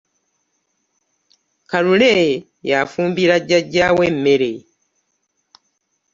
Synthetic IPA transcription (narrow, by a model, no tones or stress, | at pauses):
kalule | jafuːmbiɾaɟːaɟːawemːe̞ɾe